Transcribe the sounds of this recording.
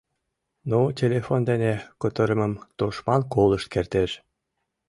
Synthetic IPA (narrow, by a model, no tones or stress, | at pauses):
notʲelefond̪enekot̪əɾəməmt̪oʃmɑnkoləʃt̪̚kert̪eʃ